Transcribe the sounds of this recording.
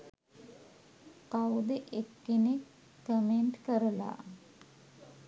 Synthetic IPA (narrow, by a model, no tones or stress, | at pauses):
kawd̪əʔekːinekː | əmeɳʈkəɾəla̰ː